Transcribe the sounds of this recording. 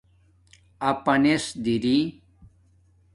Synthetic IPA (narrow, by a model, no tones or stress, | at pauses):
ɐpɐnesd̪iɾi